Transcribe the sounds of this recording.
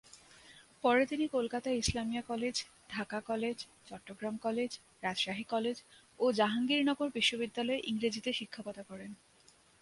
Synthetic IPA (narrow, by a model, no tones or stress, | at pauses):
pɔɾet̪inikolkat̪aislamijakɔled͡ʑ | ɖʱakakɔled͡ʑ | t͡ɕɔʈːoɡɾamkɔled͡ʑ | ɾad͡ʑʃaɦikɔled͡ʑ | od͡ʑaɦaŋɡiɾnɔɡoɾbiʃːobid̪ːalɔeʔiŋɾid͡ʑit̪eʃikʰːapɔt̪akɔɾen